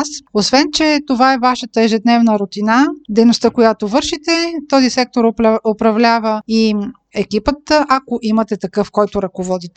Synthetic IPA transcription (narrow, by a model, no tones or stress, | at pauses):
sosvɛnt͡ʃɛt̪ovaɛvaʃət̪əɛʒɛd̪nɛvnəɾot̪inad̪ɛjnost̪əkojat̪ovɤɾʃit̪ɛt̪ɔzisɛk̚t̪oɾopɾɐvlʲavəi | ɛkipət̪ʔakoʔimət̪ɛt̪ɐkɤfkɔjt̪oɾɐkovɔd̪it̪ɛ